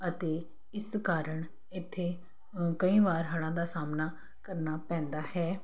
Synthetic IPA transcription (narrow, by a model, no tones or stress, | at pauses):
ət̪eː | ɪskaːɾəɳ | ɪt̪ʰːeː | kəĩːʋaːɾɦəɽãːd̪aːsaːmnaː | kəɾnaːpɛ̃ːnd̪aːhɛː